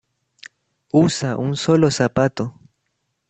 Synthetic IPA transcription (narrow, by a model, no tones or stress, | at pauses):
usaʔunsolosapat̪o